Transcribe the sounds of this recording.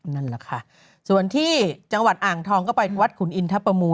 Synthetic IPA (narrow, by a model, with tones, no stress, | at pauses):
na˥˩nla˨˩kʰa˥˩ | su˨˩ənt̪ʰiː˥˩t͡ɕa˧ŋwa˨˩t̪̚ʔaː˨˩ŋt̪ʰɔː˧ŋkɔː˥˩pa˧jwa˦˥t̪̚kʰu˩˦nʔi˧nt̪ʰa˦˥pːɾa˧muː˧